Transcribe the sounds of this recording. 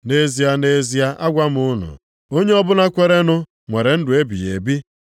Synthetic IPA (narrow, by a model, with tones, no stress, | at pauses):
ne˦zi˨a˦ne˦zi˦a˦ʔa˦ɡʷa˦m˦ʊ˦nʊ̰˨ | o˦ɲe˦ɔ˦bʊ˦na˦kʷe˨ɾe˦nʊ˦ | ŋʷe˨ɾe˨n̩˦dʊ˨e˦bi˨jḛ˨bi˦